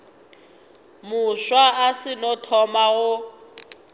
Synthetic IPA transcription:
mʊʃwaasɪnɔtʰɔmaɣʊ

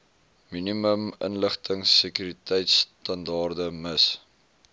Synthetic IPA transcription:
miniməmə̰nləχtəŋsəkyɾitɛjtstɐndɑːrdəməs

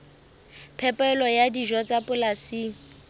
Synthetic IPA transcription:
pʰɛpʼɛlɔjadiʒɔt͡sʼapʼʊlasi

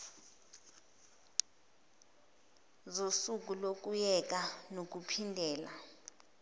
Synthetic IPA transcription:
zosuk̬ʼulok̬ʼujɛk̬ʼanok̬ʼupʰindʱɛːla

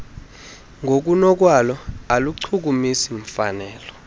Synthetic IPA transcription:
ŋɡʱok̬unɔk̬ʼwalɔaluǀʰuk̬umisiɱ̩fanɛːlɔ

